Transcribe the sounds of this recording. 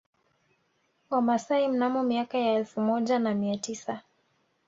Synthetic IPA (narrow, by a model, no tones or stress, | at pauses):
wamasaim̩namɔmiakajaɛlfumɔʄanamiatisa